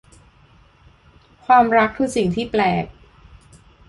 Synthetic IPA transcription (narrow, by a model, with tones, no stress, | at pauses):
kʰwaː˧mɾa˦˥kʰːɯː˧si˨˩ŋt̪ʰiː˥˩plɛː˨˩k̚